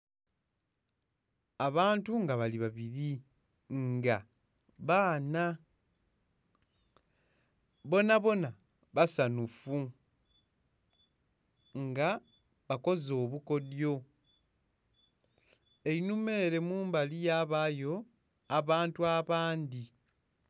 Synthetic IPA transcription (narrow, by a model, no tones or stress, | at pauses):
aβaːntuŋɡaβaliβaβiɾi | ŋɡa | βaːna | βo̞naβo̞na | βasanufu | ŋɡa | βako̞zo̞ːβuko̞djo̞ | e̞inume̞ːɾe̞muːmbalijaβajo̞ | aβaːntuaβaːndi